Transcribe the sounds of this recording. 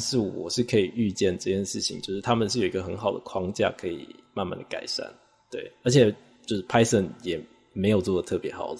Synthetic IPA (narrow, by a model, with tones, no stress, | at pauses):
ʂɻ̩˥˩wɔ̰˨˩ʂɻ̩˥˩kʰɤ˧˥i˨˩y˥˧t͡ɕjɛ˥˧nʈ͡ʂɤ˥˧t͡ɕʰjɛ˥˧nʂɻ̩˥˩t͡ɕʰḭ˧˦ŋt͡ɕjo˥˧ʊʂɻ̩˥˩t̪ʰa˥mə˨nʂɻ̩˥˩˨jo˨˩i˧˥ɡə˧˩xə˧˥nxɑ˨ʊd̪ə̰˩kʰwɑ˥ŋt͡ɕja̰˥˩kʰɤ˧˥ḭ˨˩ma˥˧nma̰˥˩nd̪ə˩ka̰˨˩ɪʂa̰˥˩n | t̪we˥˩ɪə˞˧˥t͡ɕʰjɛ˨˩ | t͡ɕjo˥˧ʊʂ̩˥˩pʰa˥ɪsə˥˩njɛ˨˩ | me˧˥ɪjo˨˩ʊt͡swɔ˥˩ə˩t̪ʰɤ˥˩pjɛ˧˥xɑ˨˩˦ʊ˩